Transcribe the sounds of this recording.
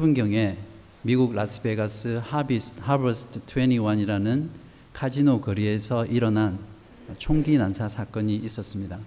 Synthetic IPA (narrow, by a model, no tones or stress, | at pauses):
sʰebunɡjʌŋe̞ | miɡuɡɾasʰɯ̥beɡas͈ʰɯhabishabʌsʰtʰtʰweniwaɲiɾanɯn | kʰad͡ʑinokʌɾie̞sʰʌʔiɾʌnan | t͡ɕʰoŋɡinansʰasʰak͈ʌɲiːs͈ʌs͈ɯmɲida